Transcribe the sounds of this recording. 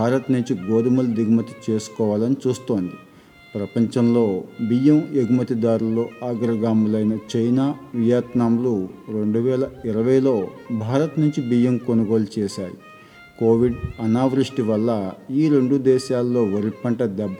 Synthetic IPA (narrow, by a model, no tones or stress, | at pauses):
baːɾɐt̪nuɲt͡ʃiɡoːd̪ɐmɐld̪iɡɐmɐt̪i̥t͡ʃe̞ːsu̥kɔːʋaːlɐnit͡ʃuːst̪o̞ːnd̪i | pɾɐpɐɲt͡ʃɐmlo̞ːbijemjeɡumɐt̪id̪aːɾulːo̞ːaːɡɾɐɡaːmulɐjnɐt͡ʃɐjnaːʋijaːt̪naːmluɾe̞ɳɖuʋɛːlɐiɾɐʋɐjlo̞ːbʱaːɾɐt̪nuɲt͡ʃibijemko̞nuɡo̞ːlut͡ʃɛːʃaːjḭ | koːʋiɖɐnaːʋɾiʂʈiʋɐlːɐiːɾe̞ɳɖud̪ɛːʃaːlːo̞ːʋɐɾipɐɳʈɐd̪ɛb